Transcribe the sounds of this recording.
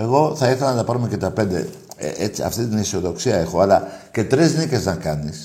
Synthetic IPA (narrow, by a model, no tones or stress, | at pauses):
e̞ɣo̞θɐiθelɐnɐt̪ɐpɐɾume̞ce̞t̪ɐpe̞nd̪e̞̰ | ḛet͡siɐ̰ft̪it̪inisio̞ðo̞ksiɐe̞xo̞ɐlɐce̞t̪ɾiznice̞znɐkɐnis